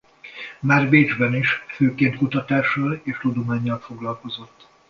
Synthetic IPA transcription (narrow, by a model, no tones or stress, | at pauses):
maːrveːd͡ʒbɛniʃføːkeːnt̪̚kut̪ɒt̪aːʃɒleːʃt̪ud̪o̞maːɲːɒlfo̞ɡlɒlko̞zo̞t̪ː